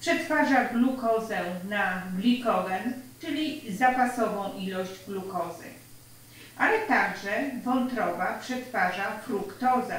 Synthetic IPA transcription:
pʂɛt̪faʐablukɔzɛnablʲikɔɡɛnt͡ʂɘlʲizapasɔvɔ̃w̃ʔilɔʑd͡ʑblukɔzɘ̰ | ʔalɛt̪aɡʐɛvɔnt̪ɾɔvapʂɛt̪faʐafɾukt̪ɔza̰

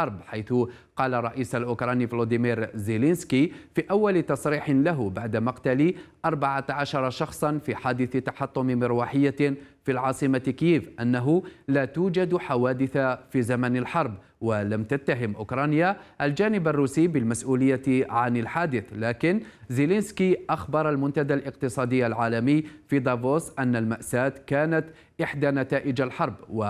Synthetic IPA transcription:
ɑɾˤbħajθʊqɑːlarˤːɑʔiːsalʔʊkɾˤɑnivlod̪ɪmiːɾzɪlɪnskifiːʔawːalɪt̪ɑsˤɾiːħɪlaɦʊbaʕd̪amɑqt̪aliʔɑɾˤbaʕat̪ʕaʃɑɾˤɑʃɑxsˤɑnfiħaːd̪ɪθt̪ɑħɑt̪ˤːʊmɪmɪɾwaħɪjːafilʕɑːsˤɨmakɪjiːvʔanːaɦʊlæːt̪uːd͡ʒad̪ħawaːd̪ɪθafizamanalħɑɾˤb | walamt̪at̪ːaɦɪmʔʊkɾˤɑːnjaʔald͡ʒaːnɪbarˤːuːsiːbɪlmasʔuːlɪjːaʕanalħaːd̪ɪθlaːkɪnzɪlenskiʔaxbɑɾˤalmʊnt̪ad̪aːlʔɪq̚t̪ɨsˤɑːd̪ɪjːalʕaːlamɪjːfid̪ˤɑvoːsʔanːalmaʔsaːt̪kaːnat̪ | ʔɪħd̪anat̪aːʔɪd͡ʒalħɑɾˤbwa

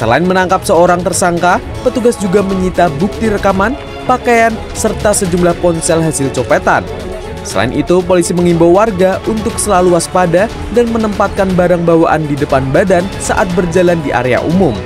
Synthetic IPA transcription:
səla̰ɪnmənaŋkap̚səoɾaŋt̪ərsaŋka | pət̪uɡasd͡ʒuɡaməɲit̪abuk̚t̪iɾəkaman | pakajan | sərt̪asəd͡ʒumlahpɔnsɛlɦasɪlt͡ʃopet̪a̰n | səla̰ɪnʔit̪upolisiməŋimbawarɡaunt̪ʊksəlaluaspada | danmənəmpat̪̚kanbaɾaŋbawaʔa̰ndidəpanbadansa̰ʔat̪̚bərd͡ʒalandiʔa̰ɾea̰ʔṵmʊm

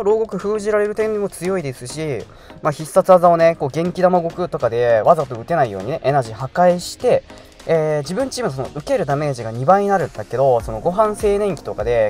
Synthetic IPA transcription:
oɾo̞ːɡo̞kɯ̟ɸɯ̟ːʑiɾaɾe̞ɾɯ̟t̪e̞nd̪emo̞t͡sɨjo̞id̪e̞sɨɕi | maːçisːat͡sɨazao̞ne̞ko̞ːɡẽ̞ŋkʲid̪amaɡo̞kɯ̟t̪o̞kad̪e̞βazat̪o̞ɯ̟t̪e̞naijoːɲ̟ine̞ʔenaʑiɦakaiɕi̥t̪e̞ | eːd͡ʑibɯ̟̃ɲ̟t͡ɕiːmɯnos̬onoɯ̟ke̞ɾɯ̟d̪ame̞ʑiɡaɲ̟ibaiɲ̟inaɾɯ̟̃nd̪ake̞d̪o̞so̞no̞ɡo̞ɦãɰ̃se̞ːnẽ̞ŋkʲi̥t̪o̞kad̪e̞

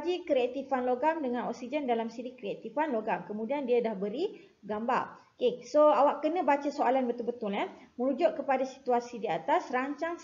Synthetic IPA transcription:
d͡ʒikɾiat̪ifanloɡamdəŋãnɔ̰k̚sid͡ʒəndalamsiɾikɾiat̪ifanloɡaŋkəmũdiandiadahbəɾi | ɡamba̰rokesoawaʔkənə̃bat͡ʃasoalanbət̪ulbət̪ʊlɲaməɾud͡ʒʊʔ̚kəpadasi̥t̪uasidiat̪asraɲt͡ʃaŋ

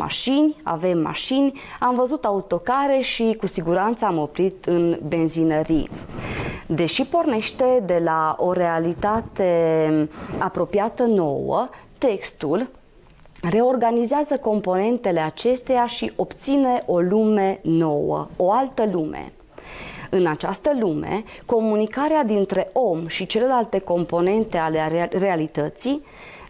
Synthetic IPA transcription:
ma̰ʃinʲa̰ve̞mːa̰ʃinʲ | amvəzut̪aut̪o̞kaɾe̞ʃikusiɡuɾant̪saamo̞pɾit̪ɨnbe̞nzinəɾḭ | d̪e̞ʃipo̞rne̞ʃt̪e̞d̪e̞lao̞ɾe̞alit̪at̪e̞ | apɾo̞piat̪əno̞̰wə̰t̪e̞kst̪ul | re̞o̞rɡanizeazəko̞mpo̞ne̞nt̪e̞le̞at͡ʃe̞st̪e̞jaʃiʔo̞pt̪sine̞ʔo̞lume̞no̞wə̰oalt̪əlumḛ | ɨnat͡ʃast̪əlumḛko̞munikaɾead̪int̪ɾe̞ʔo̞mʃit͡ʃe̞le̞lalt̪e̞ko̞mpo̞ne̞nt̪e̞alerealit̪ət̪si

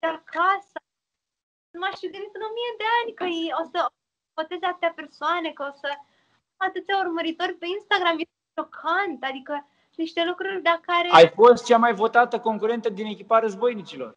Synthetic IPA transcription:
d̪̥akʰasa | numaʃud̪eɾit̪ɨno̞mijed̪e̞anʲkəjeo̞sə | vo̞t̪e̞zeat̪t̪eape̞rsoane̞kəo̞sə | at̪ɨt̪sʲaurməɾit̪o̞rʲpe̞inst̪aɡɾamjes | ʃo̞kʰant̪ad̪ikə | niʃt̪e̞lukɾurʲd̪akaɾeajfo̞st̪̚t͡ʃamajvo̞t̪at̪əko̞ŋkuɾe̞nt̪əd̪ine̞kʲipaɾəzbo̞jnit͡ʃilo̞̰r

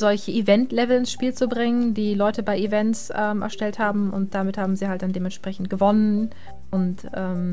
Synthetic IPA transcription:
z̥ɔlçəivɛntlɛvl̩ɪnsʃpiːlt͡subʁɪŋəndiːlɔʏtəbaɪivɛntsʔɛːmʔɛ̰ɐʃtɛlthaːbm̩ʊ̰nt̚d̥amɪthaːbm̩ziːhaltd̥andeːmɛnʃpʁ̥ɛçn̩t̚ɡ̥əvɔnən | ʔʊntʔɛːm

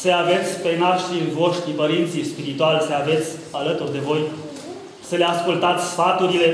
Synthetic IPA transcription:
səave̞t̪sʲpenarʃiɨnvo̞ʃt̪ɾipəɾint̪sispiɾit̪ualsəave̞t̪sʲalət̪urd̪e̞vo̞j | səleaskult̪at̪sʲsfat̪uɾile̞

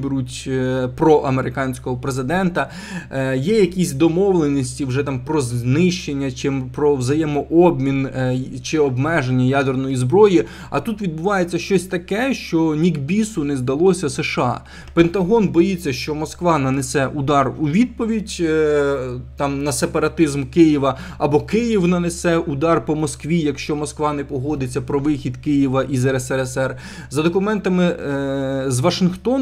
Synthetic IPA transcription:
beɾutʲpɾɔʔɐmeɾɪkɑnʲsʲkɔɦɔpɾezɪd̪ɛnt̪ɐ | jɛjɐkʲisʲd̪ɔmɔʋlˠenʲisʲtʲiwʒɛt̪ɑmpɾɔznɪʃt͡ʃenʲːɐt͡ʃɪmpɾɔwzɐjɛmɔʔɔbmʲint͡ʃɪɔbmɛʒenʲːɐjɑd̪ernɔjizbɾɔji | ɐ̰t̪ut̪ʋʲid̪̚bʊʋɑjet͡sʲːɐʃt͡ʃɔsʲt̪ɐkɛʃt͡ʃɔnʲiɡbʲisʊnezd̪ɐlˠɔsʲɐseʃɑ̰ | pent̪ɐɦɔnbɔjit͡sʲːɐʃt͡ʃɔmɔskʋɑnɐnesɛʔʊd̪ɑruʋʲid̪̚pɔʋʲidʲ | t̪ɑmnɐsepɐɾɐt̪ɪzmkɪjiʋɐɐbɔkɪjiwnɐnesɛʔʊd̪ɑrpɔmɔskʋʲijɐkʃt͡ʃɔmɔskʋɑnɛpɔɦɔd̪ɪt͡sʲːɐpɾɔʋɪxʲid̪kɪjiʋɐʔizɛɾɛsɛɛsɛr | zɐd̪ɔkʊmɛnt̪ɐmɪ | zʋɐʃɪnxt̪ɔn

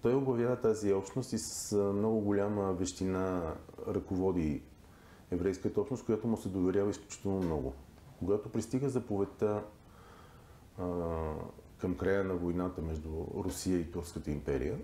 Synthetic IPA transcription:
t̪ɔjoblˠɐvjavət̪aziɔpʃnost̪isə̥smnɔɡʊɡolʲaməvɛʃt̪inaɾɐkovɔd̪i | ɛvɾɛjskət̪əɔpsnost̪kojat̪ʊmʊsɛd̪ovɛɾʲjavəisklʲut͡ʃi̥t̪ɛlˠnomnɔɡʊ̰ | koɡat̪opɾist̪iɡəzɐpovɛt̪ə | kɐmkɾajənɐvojnat̪əmɛʒd̪uɾʊsiəit̪uɾfskət̪əimpɛɾḭjə

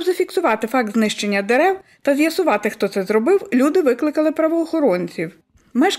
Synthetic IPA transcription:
bzɐfʲiksʊʋɑt̪ɪfɑk̚t̪znɪʃt͡ʃe̞nʲːɐd̪eɾɛwt̪ɐzʲjɐsʊʋɑt̪ɪxt̪ɔt̪sɛzɾɔbɪwlʲud̪ɪʋɪklˠɪkɐlˠɪpɾɐʋɔːxɔɾɔnʲt͡sʲiw | mɛʃ

